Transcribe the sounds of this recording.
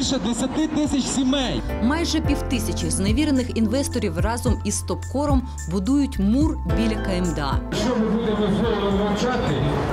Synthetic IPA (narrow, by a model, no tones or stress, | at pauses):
lʲʃɛd̪ʋesʲɐt̪ɪt̪ɪsʲɐt͡ʃsʲimɛjmɑjʒɛpʲiwt̪ɪsʲɐt͡ʃiwzneʋʲiɾenɪxinʋɛst̪ɔɾʲiwrɑzɔmist̪ɔpkɔɾɔm | bʊd̪ujʊtʲmurbʲilʲɐkɐemd̪eɑ̰ʃt͡ʃɔmɪbud̪emɔzɦɔlɾɔznɐt͡ʃɑt̪ɪ